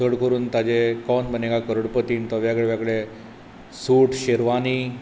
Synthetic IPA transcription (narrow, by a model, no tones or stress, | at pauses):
əɽkəɾuːnt̪ad͡ʑekɔnbʱənekakəɾəɽpət̪iːnt̪ɔʋjaɡəɭeʋjakɭe | suːʈʰɕeɾʋani